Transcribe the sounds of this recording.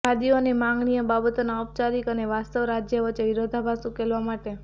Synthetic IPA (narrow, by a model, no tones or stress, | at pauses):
kʰad̪ionimãŋɡɳijəbabət̪onaɔp̚t͡ʃaɾikəneʋast̪əʋɾad͡ʒjəʋət͡ʃeʋiɾod̪ʱabʱasũkelʋamaʈe